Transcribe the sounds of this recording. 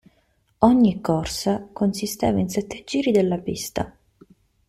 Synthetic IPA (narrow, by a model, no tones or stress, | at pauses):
ɔɲːikʰːɔrsakonsist̪ɛ̰ːvainsɛt̪ːed͡ʒiːɾid̪elːapist̪a̰